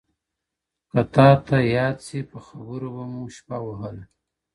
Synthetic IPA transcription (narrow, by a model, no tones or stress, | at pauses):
kat̪ɑt̪ajɑd̪sipəxabəɾobamuʃpawaɦəla